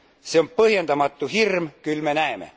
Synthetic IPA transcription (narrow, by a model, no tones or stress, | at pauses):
seompɤhjend̪ɑmɑt̪ːuhirmkylmenæemḛ